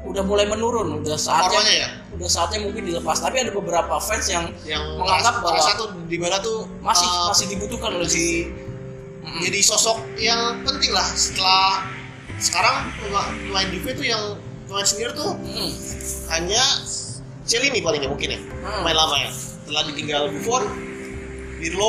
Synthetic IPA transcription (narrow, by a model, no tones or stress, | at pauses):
udahmulajmənuɾʊnudahsaraɲaja | udahsaːt̪̚ɲamuŋkɪndiləpast̪apiadabəbəɾapafɛnsjaŋ | jaŋməŋaaɡap̚baasat̪u | dibadat̪ʊ | masɪmasɪhdibut̪ukanolesi | m̩m̩d͡ʒadisɔsɔk̚jaŋpənt̪ɪŋlahsə̥t̪əlah | sə̥kaɾaŋəaməlaɪndifet̪ujaŋ | məlansəniart̪ʊ | haɲa | t͡ʃəlinipalɪŋɲamuŋkɪnja̰malamaja̰ | t̪əlahdit̪iŋɡalɡufɔr | dilo